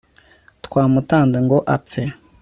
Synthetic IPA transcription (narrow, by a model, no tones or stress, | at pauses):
tkwaːmutaːndeŋɡoʔap̪fe